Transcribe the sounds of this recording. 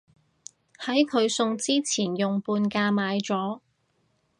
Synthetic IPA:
hɐ˨˥jkʰɵ˨˧ɥsʊ˧ŋt͡siː˥t͡sʰiː˨˩njʊ˨ŋpuː˧nkaː˧maː˨˧jt͡sɔː˨˥

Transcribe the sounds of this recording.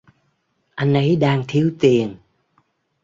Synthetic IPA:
ʔa˧jŋ̟ʔə˨˧˦jɗaː˧ŋt̪ʰi˧˦əwt̪i˨˩ən

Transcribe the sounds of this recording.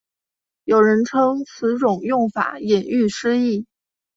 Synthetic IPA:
jo˨˩ʊɻə˧˥nʈ͡ʂʰɤ˥ŋt͡sʰɹ̩˧˥ʈ͡ʂʊ˨˩ŋjʊ˥˩ŋfa̰˨˩˦jɛ˨˩ny˥˩ʂɻ̩˥i˥˩

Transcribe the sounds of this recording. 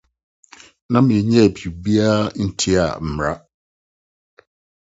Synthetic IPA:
nã˦m̩˨ɲɛ̃˦˨bi˨u˨bi˦a˦n̩˦tʰi˦a̰˨m̩˨m˨ɾa˦

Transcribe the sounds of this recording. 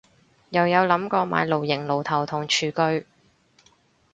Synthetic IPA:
jɐ˨˩wjɐ˨˧wlɐ˨˥mkɔː˧ma̰ː˨˧jlo˨wjɪ˨˩ŋlo˨˩wt̪ʰɐ˨˩wt̪ʰʊ˨˩ŋt͡ʃʰyː˨˩kɵ˧ɥ

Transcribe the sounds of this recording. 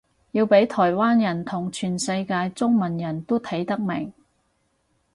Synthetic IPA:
jiː˧wpe˨˥jt̪ʰɔː˨˩jwaː˥njɐ˨˩nt̪ʰʊ˨˩ŋt͡ʃʰyː˨˩nsɐ˧jkaː˧jt͡sʊ˥ŋmɐ˨˩njɐ˨˩nt̪o˥t̪ʰɐ˨˥jt̪ɐ˥k̚mɪ̰˨˩ŋ

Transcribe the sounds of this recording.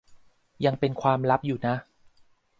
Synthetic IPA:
ja˧ŋpe˧nkʰwaː˧mɾa˦˥p̚juː˨˩na˦˥

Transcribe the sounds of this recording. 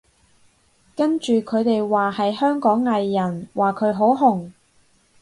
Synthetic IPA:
kɐ˥nt͡ʃyː˨kʰɵ˨˧ɥt̪e˨jwaː˨˩hɐ˨jhœː˥ŋkɔː˨˥ŋːɐ˨jːɐ˨˩nwaː˨˩kʰɵ˨˧ɥɦo˨˥wɦʊ˨˩ŋ

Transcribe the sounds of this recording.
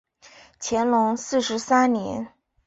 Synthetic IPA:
t͡ɕʰjɛ˧˥nlʊ˧˥ŋsɹ̩˥˩ʂɻ̩˧˥sa˥nnjɛ̰˧˥n

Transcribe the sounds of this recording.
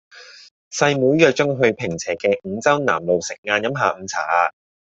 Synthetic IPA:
sɐ˧jmuː˨˥jjœː˨k̚t͡ʃɵ˥ŋɦɵ˧ɥpʰɪ˨˩ŋt͡sʰɛː˨˩kɛː˧ŋ̩˨˧t͡sɐ˥wna̰ː˨˩mlo˨wsɪ˨k̚ŋaː˧njɐ˨˥mɦaː˨˧m̩˨˧t͡sʰaː˨˩aː˧

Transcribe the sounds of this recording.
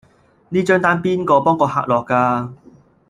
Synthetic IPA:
niː˥t͡ʃœː˥ŋt̪aː˥npiː˥nkɔː˧pɔː˥ŋkɔː˧ɦa̰ː˧k̚lɔː˨kːaː˧

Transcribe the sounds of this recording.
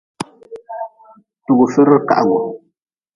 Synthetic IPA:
tu˨ɡu˨fe˦ɾə˦ka̰˨ʔwɔ˨

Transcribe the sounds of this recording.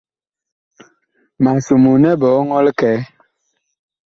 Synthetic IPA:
ma˨su˨mu˨nɛ˦bɔ˨˦ŋɔ˦lkɛ˨˦

